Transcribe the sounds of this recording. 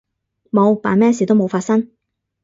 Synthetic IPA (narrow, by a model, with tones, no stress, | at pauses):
mo˨˧wpa̰ː˨˩mɛː˥siː˨˩t̪o˥wmo˨˧wfaː˧t̚sɐ˥ŋ